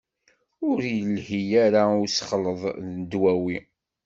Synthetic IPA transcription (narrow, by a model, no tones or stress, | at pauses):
ʊɾjəlhijæɾaʊsχələðˤnəd̪wæwi